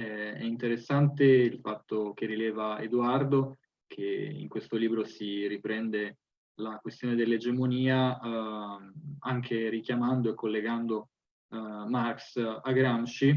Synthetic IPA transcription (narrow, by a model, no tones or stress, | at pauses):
ɛɛ̰int̪eɾesːant̪eilfat̪ːokerilɛːvaḛd̪uard̪o | k̟ʰeḭŋkwest̪oliːbɾosiripɾɛnd̪e | lakwest̪joːned̪elːed͡ʒemoniːa | aŋkʰeɾik̟jamand̪oekʰːolːeɡand̪o | marksaɡɾamʃi